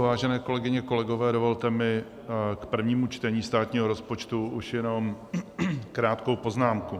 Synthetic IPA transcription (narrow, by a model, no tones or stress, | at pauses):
vaːʒɛnɛːko̞lɛɡɪɲɛko̞lɛɡo̞vɛːdo̞volt̪ɛmɪ | kpr̩vɲiːmut͡ʃt̪ɛɲiːst̪aːt̪ɲiːɦoɾo̞spot͡ʃt̪uʔuʃjɛno̞m | kɾaːt̪ko̞wpo̞znaːmku